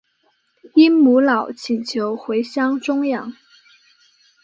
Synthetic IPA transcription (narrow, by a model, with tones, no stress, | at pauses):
i˥nmu˧˥lɑ˨˩ʊt͡ɕʰi˨˩nt͡ɕʰjo˧˥ʊxwe˧˥ɪɕjɑ˥ŋʈ͡ʂʊ˥ŋjɑ˨˩˦ŋ